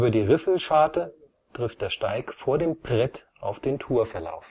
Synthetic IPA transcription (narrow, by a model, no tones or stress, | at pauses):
yːbɐdiːʁɪfl̩ʃaːtə | tʁ̥ɪft̚d̥eːɐʃtaɪkfoːɐdeːmpʁ̥ɛtʔa̰ʊfd̥eːntʰuːɐfɛɐla̰ʊf